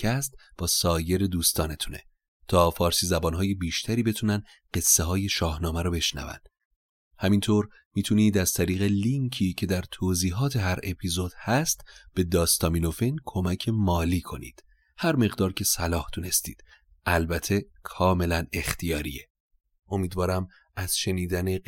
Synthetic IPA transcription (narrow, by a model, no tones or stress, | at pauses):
cʰæst̪̚b̥ɒːsɒːje̞ɾe̞d̪uːst̪ɒːne̞t̪ʰune̞̰ | t̪ʰɒːfɒːɾsiːzæbɒːnɦɒːje̞biːʃt̪ʰæɾiːbe̞t̪ʰuːnæn | ɢe̞sːe̞ɦɒːje̞ʃɒːhnɒːmæɾɔːbe̞ʃnæ̰væ̰nd̪̥ | hæmint̪ʰoːɾ | miːt̪ʰuniːd̪æz̥t̪ʰæɾiːɣeliŋkʰiːcʰe̞d̪æɾt̪ʰoːziːɦɒːt̪ʰe̞ɦæɾe̞pʰizo̞d̪̥hæst̪b̥e̞d̪ɒːst̪ɒːmino̞fenkʰo̞mæcʰe̞mɒːliːkʰo̞nḭːd̪̥ | hæɾme̞ɣd̪ɒːɾcʰe̞sælɒːhd̪̥une̞st̪ḭːd̪̥ | ʔælbæt̪ʰːe̞kʰɒːme̞læne̞xt̪ʰijɒːɾḭe | ʔo̞miːd̪vɒːɾæm | æz̥ʃe̞niːd̪æne̞